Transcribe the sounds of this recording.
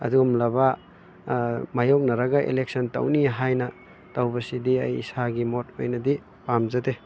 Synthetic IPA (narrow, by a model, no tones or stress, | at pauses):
ɐ̰duɡumlɐba | majok̚nɐɾaɡɐʔḛlek̚sɔntɐ̰wniɦajnɐ | tɐwbɐsidiɐjḭsaɡimot̚o̰jnɐdi | pamzɐte